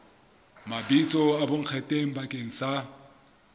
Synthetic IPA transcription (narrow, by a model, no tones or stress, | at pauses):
mabit͡sʼɔaboŋ̩k͡xʰɛtʼeŋ̩bakʼeŋ̩sa